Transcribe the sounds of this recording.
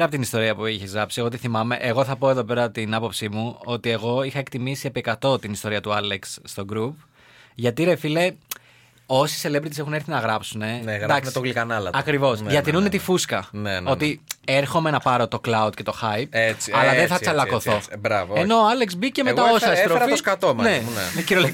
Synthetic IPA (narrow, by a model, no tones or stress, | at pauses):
ɾɐpot̪inist̪o̞ɾiɐpuiçezɣɾɐpsieɣot̪iθimɐme̞ʔeɣo̞θɐpo̞e̞ðo̞pe̞ɾɐt̪inɐpo̞psimuo̞t̪ie̞ɣo̞ixɐe̞kt̪imisiepekɐt̪o̞t̪inist̪o̞ɾiɐt̪uɐleksːt̪o̞ɡɾup | ʝɐt̪iɾe̞file | o̞si̥selebɾit̪ise̞xune̞ɾθinɐɣɾɐpsune̞neɣd̪ɐksst̪oɣlikɐnɐlɐɐkɾivo̞sðjɐt̪inunet̪ifuskɐneno̞t̪ie̞ɾxo̞menɐpɐɾo̞t̪o̞klɐud̪̚ce̞t̪o̞xɐjp̚et͡siɐlɐðeθɐt͡sɐlɐko̞θo̞bɾɐvoeno̞ɐle̞kzbiceme̞ɣɐosɐɐst̪ɾoɾɐtioskɐt̪omɐnenmciɾol